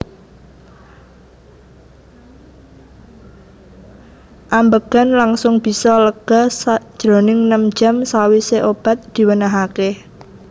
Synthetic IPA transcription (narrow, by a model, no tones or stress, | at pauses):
ʔambəɡ̥a̤nlaŋsʊŋb̥i̤sɔləɡ̥asad̥ʒ̥ɾonɪŋnəm̥d͡ʒ̥a̤msawiseʔob̥a̤t̪̚d̪̥i̤wənaɦake